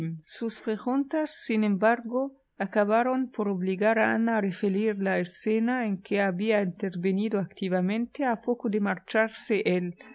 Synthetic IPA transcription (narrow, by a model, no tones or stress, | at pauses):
suspɾeɣunt̪asːinẽmbaɾɡo | akaβaɾonpoɾoβliɣaɾaa̰naːrefeɾiɾlaesenaeŋkeaβiaint̪eɾβenid̪oakt̪iβamẽnt̪eapokod̪emaɾt͡ʃaɾseʔel